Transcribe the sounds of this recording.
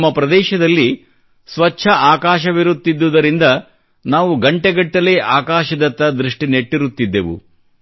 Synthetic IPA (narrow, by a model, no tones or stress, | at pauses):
mːɐpɾɐd̪ɛːʃɐd̪ɐlːi | sʋɐt͡ʃːʃʰɐʔaːkaːʃɐʋiɾut̪ːid̪ːud̪ɐɾind̪ɐ | naːʋuɡɐɳʈeɡɐɳʈːɐleʔaːkaːʃɐd̪ɐt̪ːɐd̪ɾiʂʈine̞ʈːiɾut̪ːid̪ːeʋṵ